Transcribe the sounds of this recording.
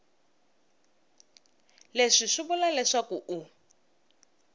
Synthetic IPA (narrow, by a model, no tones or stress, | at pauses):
leʂiʂubulalɛʂakuʔu